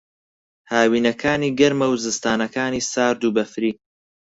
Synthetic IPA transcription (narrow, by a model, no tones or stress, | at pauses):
haːwiːnɐkʰaːniːɡɐɾmɐwzɨst̪aːnɐkaːniːsaːɾd̪ubɐfɾiː